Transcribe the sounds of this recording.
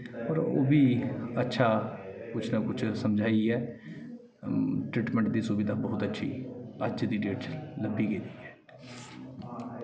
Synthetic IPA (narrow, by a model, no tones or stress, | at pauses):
ɔːɾo̰ːbiːətːʃʰaːkʊt͡ʃʰnaːkʊt͡ʃʰsəmd͡ʒaːiɛː | ʈɾiːʈmɛ̃ɳʈd̪iːsʊbɪd̪aːbəɦʊt̪ətːʃʰḭːəd͡ʒd̪iːɖeːʈləbiːɡed̪iːɛː